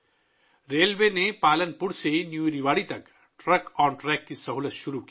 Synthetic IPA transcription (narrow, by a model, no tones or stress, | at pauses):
ɾeːlʋenepaːlənpʊɽseɦinjuɾiʋaːɽit̪ɐk | ʈɾəkɔːɾʈɾɛːkːisɐɦulət̪ʃʊɾuki